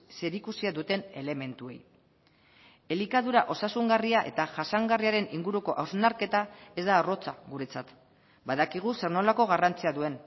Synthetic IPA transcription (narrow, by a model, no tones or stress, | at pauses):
se̞ɾikusiaðut̪e̞ne̞le̞me̞nt̪ue̞̰j | e̞likaðuɾaʔo̞sasuŋɡariaʔe̞̰t̪aʝasaŋɡariaɾe̞niŋɡuɾuko̞ʔawznaɾke̞t̪ae̞zd̪aːro̞t͡saɣuɾe̞t͡sat̪ | baðakiɣ̞use̞ɾno̞lako̞ɣarant͡siaðue̞n